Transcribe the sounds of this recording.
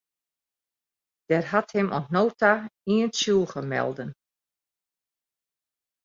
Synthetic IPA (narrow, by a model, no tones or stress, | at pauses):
d̥ɛrɦathɪmʔɔ̰nsnoːtaiənsulˠɣəmɛ̰lˠdən